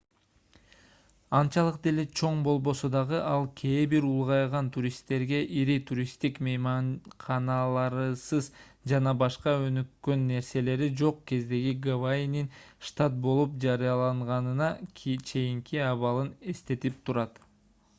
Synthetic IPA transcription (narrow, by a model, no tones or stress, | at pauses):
ɑnt͡ʃɑlˠɯqd̪elet͡ʃʰo̞ɴbo̞lˠbo̞sod̪ɑʁɯʔɑlˠkʰe̞ːbiɾulˠʁɑjʁɑnt̪ʰuɾʲist̪ːe̞ɾɡe̞ʔiɾit̪ʰuɾʲist̪ikmejmɑnqʰɑnɑlˠɑɾsɯzd͡ʒɑnɑbɑʃqɑø̞nykːø̞nːe̞ɾse̞le̞ɾid͡ʒo̞qke̞zd̪e̞ɡiɡavaininʃt̪at̪̚bo̞lˠup̚d͡ʒɑɾɯjɑlˠɑɴʁɑnɯnɑkʰt͡ʃʰe̞jiŋkiɑβɑlˠɯne̞st̪e̞t̪ip̚t̪ʰuɾɑt̪